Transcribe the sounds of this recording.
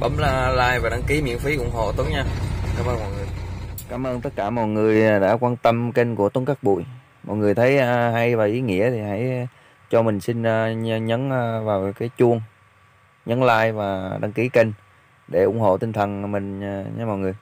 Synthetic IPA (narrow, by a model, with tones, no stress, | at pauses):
ɓə˨˦mlːlaː˧jvaː˨˩ɗa˧ŋki˨˦mḭ˧˨ənfi˨˦ʔʊ̰˧˩ŋ͡mɦo̰˧˨t̪u˨˦ŋɲaː˧kaː˨˦mʔəː˧nmɔ̰˧˨jŋɨ˨˩əjkaː˨˦mʔəː˧nt̪ə˦˥t̚kaː˧˩mɔ̰˧˨jŋɨ˨˩əjɗa̰ː˧˥kwaː˧nt̪ə˧mkə˧ŋku˧˩ət̪u˨˦ŋka˦˥k̚ɓṵ˧˨j | mɔ̰˧˨jŋɨ˨˩əjt̪ʰə˨˦jɦa˧jvaː˨˩wʔi˨˦ŋḭ˧˥ət̪ʰi˨˩ha̰˧˩j | t͡ɕɔ˧mï˨˩ŋ̟si˧nː˧ɲə˨˦n˧vaː˨˩wkaː˨˦jt͡ɕu˧əŋ | ɲə˨˦nlaː˧jvaː˨˩ɗa˧˦ŋki˨˦ke˧ŋ | ɗe˧˩ʔʊ̰˧˩˥ŋ͡mɦo̰˧˨t̪i˧ŋ̟t̪ʰə˨˩nmï˨˩ŋ̟˩ɲa̰˧mɔ̰˧˨jŋɨ˨˩əj